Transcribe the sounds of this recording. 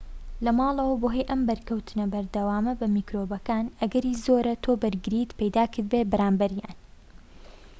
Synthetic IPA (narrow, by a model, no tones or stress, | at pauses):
lɐmɑːlˠɐwɐboːɦejʔɐmbɐɾkɐwt̪ʰɨnɐbɐɾd̪ɐwaːmɐbɐmiːkɾoːbɐkaːnʔɐɡɐɾiːzoːɾɐt̪ʰoːbɐɾɡɨɾiːt̪pɐjd̪aːkʰɨɾbet̪̚bɐɾaːmbɐɾja̰ːn